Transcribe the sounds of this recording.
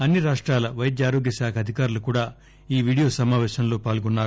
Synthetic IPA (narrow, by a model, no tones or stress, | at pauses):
ɐnːiɾaːʂʈɾaːlɐʋɐjɐd̪jaːɾo̞ːɡjɐsaːkʰɐd̪ʱikaːɾulukuːɽaː | iːʋiːɽijoːsɐmaːʋɛːʃɐmlo̞ːpaːlɡɔnːaːɾu